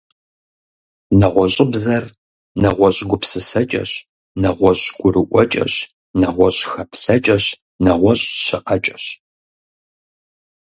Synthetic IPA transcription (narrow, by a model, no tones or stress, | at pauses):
nɐʁʷɔɕʼɪbzɐr | nɐʁʷɔɕʼɡʷʊpsɨsɐt͡ʃʼɐ̰ɕ | nɐʁʷɔɕɡ̥ʷʊrɨʔʷɔt͡ʃʼɐ̰ɕ | nɐʁʷɔɕxɐpɬɐt͡ʃʼɐɕ | nɐʁʷɔɕʼɕɪqɐt͡ʃʼɐ̥ɕ